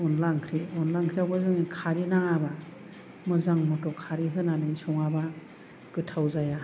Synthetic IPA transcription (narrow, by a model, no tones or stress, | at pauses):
ɔnlaŋkʰɾiɔnlaŋkʰɾiawbazɯŋikʰaɾinaŋaba | mɯzaŋmɔtɔkʰaɾiɦɯnanɯjsɔŋaba | ɡ̥ɯtʰawzaja